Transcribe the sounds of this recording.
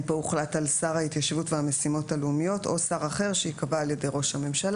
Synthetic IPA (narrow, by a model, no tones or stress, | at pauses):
bouχlatalsaʁhaitjaʃvutveame̞simo̞talumijo̞to̞saʁaχe̞ʁʃeikavaːlje̞de̞jʁo̞ʃhame̞mʃal